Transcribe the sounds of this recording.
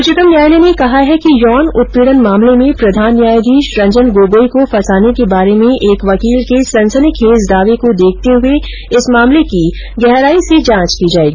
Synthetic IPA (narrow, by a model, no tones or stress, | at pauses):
ʊt͡ʃɪt̪əmnjaːjlenekɐɦaɦɛkijɔːnʊt̪̚peːɽənmãːmlemẽpɾɐd̪ʱaːnːjaːjd̪ʱiʃɾɐ̃ɲd͡ʒənɡoːɡoːikofɐsaːnekebaːɾemẽʔeːkʋɐkiːlkesɐ̃nsənikʰeːzd̪aːʋekod̪eːk̚ʰt̪eɦʊe | ɪsmaːmleki | ɡɛɦɾaːised͡ʒãːt͡ʃkid͡ʒaːeːɡiː